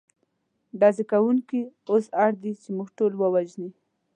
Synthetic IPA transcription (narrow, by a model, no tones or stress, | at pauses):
ɖɑzikawuŋkiosaɽd̪it͡ʃemuɡʈolwəwaʒni